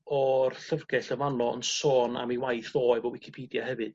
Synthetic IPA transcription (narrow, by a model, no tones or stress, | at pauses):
ɔrɬərɡɛɬəvanɔə̰nsoːna̰miwajθðoːɨvɔwɪkʰipʰiːdjahɛvɨd̥